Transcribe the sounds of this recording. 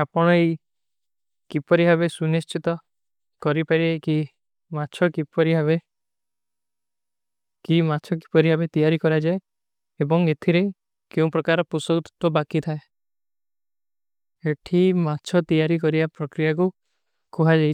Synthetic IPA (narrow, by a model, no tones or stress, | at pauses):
apɔɽ̃ɔej | kipɔɾiɦaβesunist͡ʃit̪ɔ | kɔɾipaɾieki | mat͡ʃʰɔkipɔɾiɦabe | kimat͡ʃʰɔki̥pɔɾiɦabet̪ijaɾikɔɾad͡ʒae | ebɔŋet̪ʰiɾei | keũpɾɔkaɾɔpusɔut̪u̥t̪wɔbakit̪ʰae | eʈʰimat͡ʃʰɔt̪ijaɾikɔɾibapɾɔkɾijaku | kuɦad͡ʒaj